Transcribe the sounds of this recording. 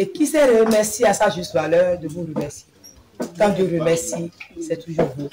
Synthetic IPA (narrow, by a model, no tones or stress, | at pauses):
ekisɛɾemɛʁsiasaʒyst̪valœʁd̪əvuɾəmɛʁsie | kãd̪jøɾəmɛʁsisɛt̪uʒuʁbo